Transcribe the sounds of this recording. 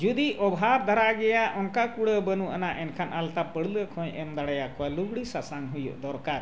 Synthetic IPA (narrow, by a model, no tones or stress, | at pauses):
d͡ʒud̪iɔbɦabd̪ʱaɾaɡɛjaʔɔnkakuɽəbənuʔa̰naʔɛnkʰanʔalt̪apəɽləkʰɔ̃jʔɛmd̪aɽɛjakɔwalubɽisasanɦujɔ̰ʔd̪ɔɾkaɾ